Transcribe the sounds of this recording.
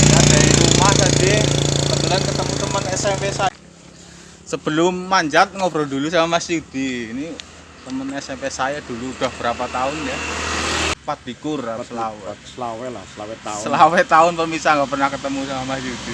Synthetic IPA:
kadailumak̪ad̪iəbət̪ulankət̪əmut̪əmənɛsɛmpesa | səb̥əlʊmːaɲd͡ʒat̪̚ŋob̥ɾɔd̪ulusamamasiud̪̥i̤ini | t̪əmənɛsɛmpesajad̪̥uluːd̪̥a̤hb̥ə̤ɾapat̪aʊnja | pat̪̚dikʊrasəlawɛawɛsawɛsəlawɛt̪aʊnpərmisaŋɡapərnahkət̪əmusamamasiud̪̥i

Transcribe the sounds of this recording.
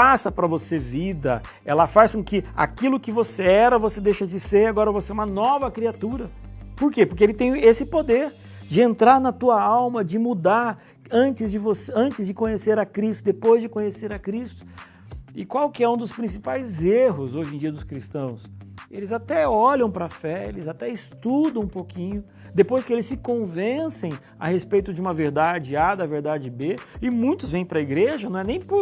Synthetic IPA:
pasɐpɾɐvosevid̪ɐ̰ | ɛ̰lɐfaskõkɪa̰kilʊkɪvoseɛɾɐvosed̪ejʃɐd͡ʒɪseɾaɡɔɾɐvoseɛũmɐnɔvɐkɾiat̪uɾɐpoɾkepoɾkeelɪt̪ẽj̃esɪpod̪eɾ | d͡ʒɪẽnt̪ɾaɾnɐt̪uɐawmɐd͡ʒɪmud̪aɾ | ɐ̃t͡ʃɪzd͡ʒɪvoseɐ̃nt͡ʃɪzd͡ʒɪkõɲeseɾɐkɾist̪ʊd̪epojzd͡ʒɪkõɲeseɾɐkɾist̪ʊ̥ | ɪkwawkɪɛũd̪ʊspɾĩsipajzeɦʊzoʒẽj̃d͡ʒiɐd̪ʊskɾist̪ɐ̃w̃selɪzat̪ɛɔʎɐ̃w̃pɾɐfɛelɪzat̪ɛɪst̪ud̪ɐ̃w̃ũpokĩɲʊ | d̪epojskɪelɪsːɪkõvẽsẽj̃ | ɐ̰hespejt̪ʊd͡ʒɪũmɐveɾd̪ad͡ʒɪad̪ɐveɾd̪ad͡ʒɪbeɪmũj̃t̪ʊzvẽj̃pɾɐiɡɾeʒɐnɐ̃w̃ɛnẽj̃pʊɾ

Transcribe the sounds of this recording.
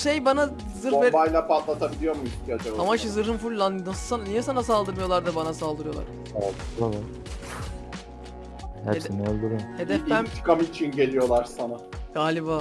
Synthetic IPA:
ʃejbana | zɯɾebajlʲˠapat̪lˠat̪ʰabilʲijo̞ɾmuiçt̪ʰijad͡ʒabamaʃɯzɯɾɦɯnfuɾlːˠannasɯsannijɛsanas̬alˠd̪ɯɾmɯjo̞lˠaɾd̪abanasalˠd̪ɯɾɯjo̞lˠa̰ɾ̥ | ald̪ɯalˠa | hæ̰ɾesinyølʲd̪yɾyhed̪ɛfænt̪ʰɯ̥kamɯit͡ʃʰinɟe̞lʲijo̞lˠaɾsanaɡ̥aːlʲibaː

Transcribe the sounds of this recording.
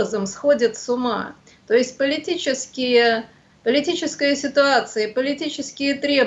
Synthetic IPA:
əzəmsxodʲɪt̪sʊma̰ | t̪o̞ɪsʲt̚ʲpəlʲɪtʲit͡ɕɪskʲɪjə | pəlʲɪtʲit͡ɕɪskəjəsʲɪt̪ʊat̪sɨjəpəlʲɪtʲit͡ɕɪskʲɪjət̪ɾʲe̞

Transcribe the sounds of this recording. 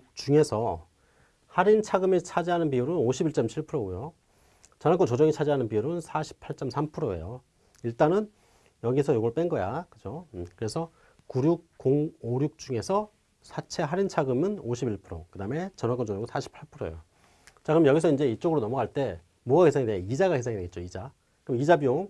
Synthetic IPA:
t͡ɕuŋe̞sʰʌ | haɾint͡ɕʰaɡɯmit͡ɕʰad͡ʑiɦanɯnpiuɾɯnoɕʰibiɭt͡ɕ͈ʌmt͡ɕʰiɭpʰɯɾoɡujo | t͡ɕʌnɦak͈ot͡ɕod͡ʑʌŋit͡ɕʰad͡ʑiɦanɯnpiuɾonsʰaɕʰi̥pʰaɭt͡ɕ͈ʌmsʰampʰɯɾoḛjo | iɭt͈anɯn | jʌɡisʰʌjoɡʌɭp͈enɡʌja̰kɯd͡ʑokɯɾe̞sʰʌ | kuɾjuk̚koŋoɾjuk̚t͡ɕ͈uŋe̞sʰʌ | sʰat͡ɕʰe̞ɦaɾint͡ɕʰaɡɯmɯnoɕʰibiɭpʰɯɾo̰kɯdame̞t͡ɕʌnɦak͈ont͡ɕod͡ʑʌŋɯnsʰaɕʰi̥pʰaɭpʰɯɾoḛjo | t͡ɕʰaɡɯmjʌɡisʰʌind͡ʑe̞it͡ɕ͈oɡɯɾonʌmʌɡaɭt͈e̞ | moakʰe̞sʰeŋidejid͡ʑaɡakʰesʰeŋideɡet̚t͡ɕ͈oid͡ʑa | kɯɯmid͡ʑabio

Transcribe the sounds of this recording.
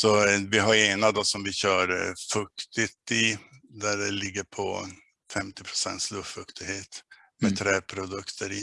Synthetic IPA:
sɔvɪɦaɾeːnad̪ɔsɔmvɪɕœːɾfɵkt̪ɪt̪ɪd̪æɖɛlɪɡːəɾpʰɔ̰ | fɛmt̪ɪpʰɾʊ̥sɛ̰nt̪slɵft̪fɵkt̪ɪheːt̪ | mɛt̪ʰɾɛːpʰɾʊd̪ɵkt̪ʰəɾɪ̰

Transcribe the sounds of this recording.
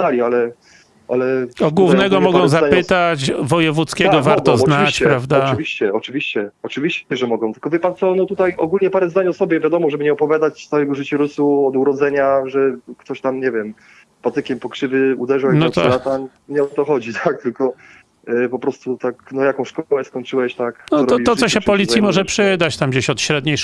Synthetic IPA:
alʲialɛ | ʔa̰lɛɔɡwuvnɛɡɔmɔɡɔ̃w̃zapɘt̪at͡ɕvɔjɛvut̪skʲɛɡɔvaɾt̪ɔznavt͡ɕppɾavd̪avʲiɕt͡ɕɛɔt͡ʂɘvʲiɕt͡ɕɛɔt͡ʂɨvʲiɕt͡ɕɛʐɛmɔɡɔ̃w̃t̪ɘ̥lkɔvʲjɛpant̪sɔnɔt̪ut̪ajɔ̰ɡulɲɛpaɾɛzd̪aɲɔsɔbʲjɛvʲjad̪ɔmɔʐɛbɘɲɛɔpɔvʲjad̪at͡ɕsawɛɡɔʐɘt͡ɕuɾusuɔd̪uɾɔd̪zɛɲaʐɛkt̪ɔɕt̪amɲɛvʲjɛm | pat̪ɘkʲɛmpɔkʂɘvɘud̪ɛʐwɛnɔt̪ɔɾat̪a | ɲɛɔt̪ɔxɔd͡ʑit̪ʰak̚t̪ɘlkɔ | pɔpɾɔst̪ut̪aknɔjakɔ̃w̃ɕkɔwɛskɔɲʲt͡ʂɘwɛɕt̪aknɔɔɾɔɔbiw̪t̪sɔɕɛpɔlʲit̪sjimɔʐɛpʂɘd̪at͡ɕt̪amɡd͡ʑeɕɔt̪ɕɾɛd̪ɲej

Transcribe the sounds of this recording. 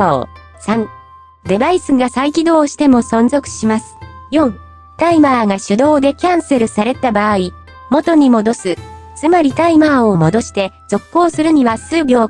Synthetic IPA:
o | sãn | d̪e̞baisɨɡasaikʲid̪o̞ːɕi̥t̪e̞mo̞sõ̞nzo̞kɯ̟̥ɕimasɨ̥jõ̞ŋ | t̪aimaːɡaɕɨd̪o̞ːd̪e̞kʲãɰ̃se̞ɾɯ̟saɾe̞t̪abaːi | mo̞t̪o̞ɲ̟imo̞d̪o̞sɨt͡sɨmaɾʲit̪aimaːomo̞d̪o̞ɕi̥t̪e̞ | z̥o̞kːo̞ːsɨɾɯ̟ɲ̟iβasɨːbʲo̞ː

